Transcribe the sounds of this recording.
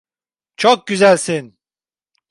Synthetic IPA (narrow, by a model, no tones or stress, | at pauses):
t͡ʃʰok̚ɟyzælʲsin